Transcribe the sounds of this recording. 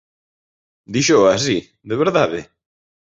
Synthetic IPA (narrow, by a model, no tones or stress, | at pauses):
d̪iʃoas̬i | d̪eβeɾðaðḛ